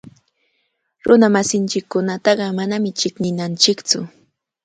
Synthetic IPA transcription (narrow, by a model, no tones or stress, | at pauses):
ɾʊnamasɪnt͡ʃɪkːʊnat̪ɑɢɑmanamɪt͡ʃɪknɪnant͡ʃɪkt͡sʊ